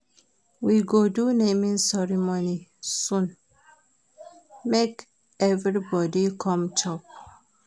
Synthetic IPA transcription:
wiɡodunemĩnsɛɹimonisũn | mek | ɛvɹibɔdikʰɔ̃mt͡ʃʰɔp̚

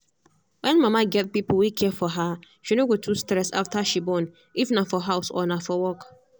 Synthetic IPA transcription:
wɛ̃nmãmãɡɛt̚pipʰl̩wikʰɛfɔɦa | ʃinoɡotʰustɾɛsa̰ftʰaʃibɔ̃n | ifnãfɔɦaʊsɔ̰nãfɔwɔk

